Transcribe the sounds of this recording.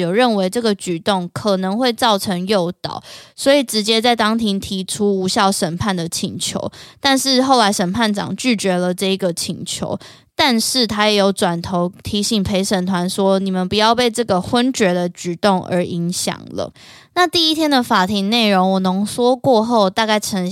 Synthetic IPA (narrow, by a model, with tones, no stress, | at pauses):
jo˨˩ʊɻə˥˩nwe˧˥ɪʈ͡ʂɤ˥˩ɡə˩t͡ɕy˨˩t̪o˥˩ŋkʰə˨˩nɤ˧˦ŋxwe˥˧ɪt͡sɑ˥˩ʊʈ͡ʂʰə˧˥ŋjo˥˩ʊt̪ɑ̰˨˩ʊswɔ˧˥i˨˩ʈ͡ʂɻ̩˧˥t͡ɕjɛ˥t͡sa˥˩ɪt̪ɑ˥ŋt̪ʰi˧˥ŋt̪ʰi˧˥ʈ͡ʂʰu˥u˧˥ɕjɑ˥˩ʊʂə˨˩npʰa˥˩nd̪ə˩t͡ɕʰi˨˩ŋt͡ɕʰjo̰˧˥ʊt̪a˥˧nʂɻ̩˥˧xo˥˩ʊla˧˥ɪʂə˨˩npʰa˥˩nʈ͡ʂɑ̰˨˩ŋt͡ɕy˥˩t͡ɕɥɛ˧˥lə˨ʈ͡ʂɤ˥˩i˧˥ɡə˨t͡ɕʰi˨˩ŋt͡ɕʰjo̰˧˥ʊ | t̪a˥˧nʂɻ̩˥˩t̪ʰa˥jɛ˨˩jo˧˥ʊʈ͡ʂwa˨˩nt̪ʰo˧˥ʊt̪ʰi˧˥ɕi˨˩ŋpʰe˧˥ɪʂə˨˩nt̪ʰwa˧˦nswɔ˦˥ni˨˩mə˨npu˨jɑ˥˧ʊpe˥˧ɪʈ͡ʂɤ˥˩ɡə˩xwə˦nt͡ɕɥɛ˧˥d̪ə˨t͡ɕy˨˩t̪ʊ˥˩ŋʔə̰˞˧˥ʔi˧˥ŋɕjɑ̰˨˩ŋlə̰˦ | na˥˧t̪i˥˩i˦t̪ʰjɛ˥nd̪ə˨fa˨˩t̪ʰi˧˥ŋne˥˩ɪɻo˧˥ŋwɔ˨˩nə˧˥ŋswɔ˥kwɔ˥˧xo˥˧ʊt̪a˥˧ka˥˩ɪʈ͡ʂʰə˧˥ŋ